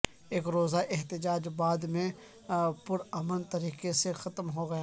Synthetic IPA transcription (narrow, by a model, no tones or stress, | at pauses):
eːkɾoːzaʔɪɦt̪ɪd͡ʒaːd͡ʒbaːd̪mẽ | pʊɾɐmənt̪ɐɾiːqesexɐt̪mɦoɡɐjaː